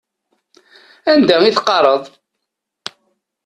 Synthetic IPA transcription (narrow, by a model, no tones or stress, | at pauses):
ænd̪æiθqːɑrˤəðˤ